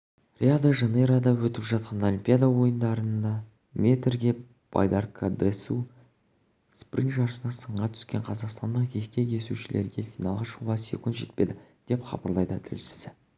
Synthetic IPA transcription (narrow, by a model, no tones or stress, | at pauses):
rʲiad̪aʒɑneɾad̪ɑwɵt̪ɪpʒɑt̪̚qɑnolʲimpʲijad̪awo̞jənd̪ɑɾənnd̪ɑ | mʲe̞t̪ɾɡʲe̞ | b̥a̰jd̪ɑrkʰad̪esu | sprinʒɑɾsənɑsəɴʁɑt̪ʰʏ̥skʲe̞ɴqʰɑzɑqst̪ɑnd̪əɴkʲʰeskʲe̞kʲʰe̞suʃɪlʔe̞̰ɾɡʲe̞fʲijnɑlˠʁɑʃəʁuʁɑsḛkʲʊnt̪ʒe̞t̪̚pe̞d̪ɪd̪̥e̞pχɑ̰bɑɾlˠɑjd̪ət̪ʰɪ̰lʃɪ̥sɪ